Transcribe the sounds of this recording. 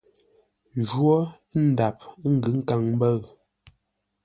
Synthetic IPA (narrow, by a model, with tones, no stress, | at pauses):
d͡ʒwɔ˦n̩˨da˨p̚ŋ̩˦ɡɨ˨˦ŋ̩˦ka˨ŋmbə˦˨ɰ